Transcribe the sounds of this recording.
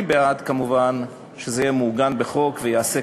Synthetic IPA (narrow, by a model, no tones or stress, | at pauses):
beat̪kamuvan | ʃezejemuɡanbeχo̞kvejease